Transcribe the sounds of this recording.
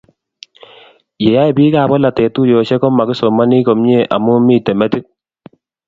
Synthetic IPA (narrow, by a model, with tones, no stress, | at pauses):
je˨ja˦ɛ˨bi˦kaː˦˨bɔ˦la˨tɛ˨tu˦jɔ˨t͡ʃɛ˦kɔ˦ma˨kɪ˦sɔ˨ma˦ni˦kɔ˨mɲe˦˨ʔa̰˨mu˦mi˨tɛ˨mɛ˦ti˦k̚